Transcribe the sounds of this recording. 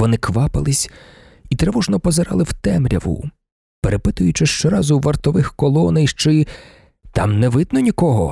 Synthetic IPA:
ɔnɪkʋɑpɪlˠɪsʲ | it̪ɾɛʋɔʒnɔpɔzeɾɑ̰lˠɪwt̪ɛmɾʲɐ̰ʋʊ̰ | peɾʔepɪt̪ʊjʊt͡ʃɪʃt͡ʃɛɾɑzʊʋɐrt̪ɔʋɪxkɔlˠɔnɛjʃt͡ʃɪ | t̪ɑ̰mnɛʋɪd̪nɔnʲikɔɦɔ̰

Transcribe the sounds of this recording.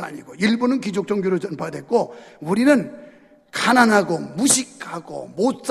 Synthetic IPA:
a̰ɲiɡoiɭbonɯnkid͡ʑok̚t͡ɕ͈ʌŋɡjoɾot͡ɕʌnpʰadwe̞k̚k͈ouɾinɯn | kananɦaɡomuɕʰikʰhaɡo̰mot̚s͈

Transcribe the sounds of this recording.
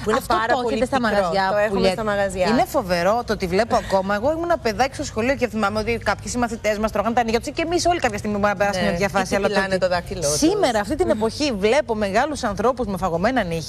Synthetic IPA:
ɐft̪oɾoçet̪est̪ɐmɐɐzʝɐepʎst̪ɐmɐɣɐzʝɐinefo̞ve̞ɾo̞t̪oot̪ivle̞poɐko̞mɐeɣo̞imunɐpe̞ðɐci̥st̪osxo̞lio̞ceθimɐmeot̪ikɐpçesimɐθit̪e̞zmɐst̪ɾoɣɐnt̪ɐniʝɐt̪osicemiso̞likɐpçɐst̪iɣmibonɐpeɾɐsmmeðʝɐfɐsiɐlɐt̪onet̪oðɐkilossime̞ɾɐːft̪it̪ine̞po̞çivle̞po̞me̞ɣɐlusɐnθɾo̞puzmefɐɣo̞me̞nɐniçi

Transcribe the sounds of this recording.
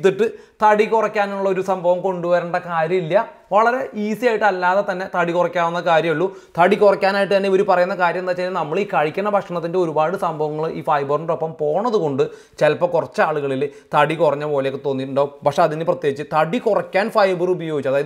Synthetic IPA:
t̪̬ːiʈːɨ | t̪ɐɽikurɐkʲːaːnuuɭːɐo̞ɾusɐmbʱɐʋɐmko̞ɳɖuʋɐɾɐɳɖɐkaːɾjɐmilːɐ | ʋɐɭɐɾe̞ʔiːsijaːjʈːɨɐlːaːðet̪ɐnːe̞t̪ɐɽikurɐkʲːaːʋunːɐkaːɾjɐmiɭːu | t̪ɐɽikurɐkʲːaːnaːjiʈ̬ːɨt̪ɐnːeio̞ɾupɐrɐjunːɐkaːɾjɐmenaːt͡ɕːalːnɐmːɐɭiːkɐɻikʲːɐnːɐpɐkʂɐɳɐt̪ːinde̞oɾubaːɽɨsɐmbʱɐʋɐŋːɐɭʔiːfɐjbɐrɳopːɐmpo̞ːɳɐðuko̞ɳɖɨ | t͡ɕelpːɐkurɐt͡ɕːaːɭuɣɐɭilt̪ɐɽikurɐɲːɐpo̞ːlekːet̪o̞ːnːiʈːuɳɖaːumpɐkʂeɐðinɨprɐt̪jeɡit͡ɕːɨt̪ɐɽikurɐkʲːaːnfɐjbɨrubɐjo̞ːɡit͡ɕːɐðaːjɐð

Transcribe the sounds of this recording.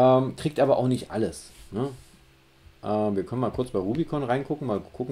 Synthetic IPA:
ʔɛːmkʁ̥iːk̚tʔaːbɐʔa̰ʊxnɪçtʔa̰ləsnə | ʔɛːmviːɐkʰœnənmaːlkʰʊɐt͡sb̥aɪʁuːbikʰɔnʁaɪnkʰʊkŋ̩maːlkʰʊkŋ̩

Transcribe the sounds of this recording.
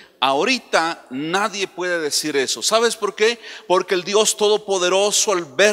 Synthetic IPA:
aoɾit̪anaðje̞pwe̞ðeðe̞siɾe̞so̞saβe̞spo̞ɾke̞po̞ɾke̞ːld̪jo̞st̪o̞ðo̞po̞ðe̞ɾo̞soalβe

